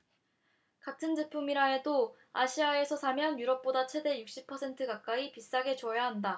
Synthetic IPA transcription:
katʰɯnd͡ʑɯpʰumiɾae̞do | aɕʰiae̞sʰʌsʰamjʌnjuɾʌp̚p͈odat͡ɕʰe̞de̞juk̚ɕ͈ipʰʌsʰe̞ntʰɯkak͈̚aipis͈aɡe̞t͡ɕojaɦanda

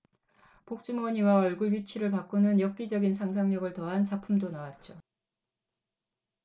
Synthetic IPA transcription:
pok̚t͡ɕ͈umwʌɲiwaʌɭɡuɭɥit͡ɕʰiɾɯɭpak͈onɯnjʌk̚k͈id͡ʑʌɡinsʰaŋs̬ʰaŋɲʌɡɯɭtʌɦant͡ɕapʰumdonawat̚t͡ɕ͈o

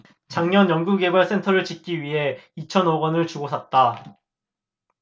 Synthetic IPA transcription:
t͡ɕaŋɲʌnjʌŋɡuɡe̞baɭs͈e̞ntʰʌɾɯɭt͡ɕik̚k͈iɥiɦe̞it͡ɕʰʌnoɡʌnɯɭt͡ɕuɡosʰʌt̚t͈a

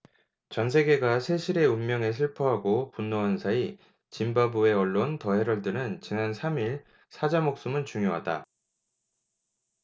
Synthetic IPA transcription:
t͡ɕʌnsʰe̞ɡe̞ɡasʰe̞ɕʰiɾe̞ummjʌŋe̞s̬ʰɯɭpʰʌɦaɡopunːoansʰai | t͡ɕimbabue̞ʌɭːontʌɦe̞ɾʌɭdɯnɯnt͡ɕinansʰamiɭ | sʰad͡ʑamok̚s͈umɯnt͡ɕuŋjoɦada̰

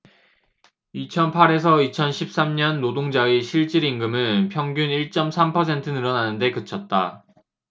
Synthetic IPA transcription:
it͡ɕʰʌnpʰaɾe̞s̬ʰʌit͡ɕʰʌnɕʰip̚s͈amɲʌnːodoŋd͡ʑaiɕʰiɭt͡ɕ͈iɾiŋɡɯmɯnpʰjʌŋɡjuniɭt͡ɕ͈ʌmsʰampʰʌs̬ʰe̞ntʰɯnɯɾʌnanɯnde̞kɯt͡ɕʰʌt̚t͈a̰

